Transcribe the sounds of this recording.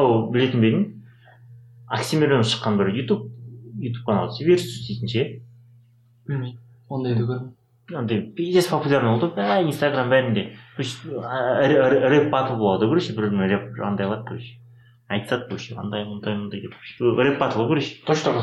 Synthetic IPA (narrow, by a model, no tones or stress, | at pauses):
ɑwbɪle̞t̪ɪnbeɾɪn | aksʲimʲeɾʲonəsʃə̥qːɑnbɪɾjut̪up̚jut̪u̥p̚kʰanɑlˠəseveɾsʏ̥st̪ejt̪ɪnʃe | b̥ɪlmej̪ | wond̪ɑj̪ɪkʲɾ | ond̪ɑjpʲijd̪espʰopulʲaɾnolˠd̪əpæinst̪aɡrambæɾɪnd̪e̞kʰoʃ | ɾɾɾʲepbɑt̪əlˠbolˠɑd̪əkʰʲɵɾeʃbɪɾlɾep̚ɑ̰nd̪ɑjlˠɑd̪̚kʰɵɾeʃ | ɑjt̪sɑt̪kʰoʃeɑ̰nd̪ɑjmond̪ɑjmnd̪ɑjd̪epɾep̚pɑt̪əlˠəkʰɵɾeʃt̪ʰoʃt̪ɑʁ